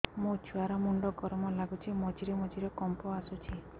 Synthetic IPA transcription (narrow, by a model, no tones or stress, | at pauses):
mot͡ʃʰuaɾɔmuɳɖɔɡɔɾmɔlaɡut͡ʃʰimɔd͡ʒiɾemɔd͡ʒiɾɔkɔmpɔasut͡ʃʰi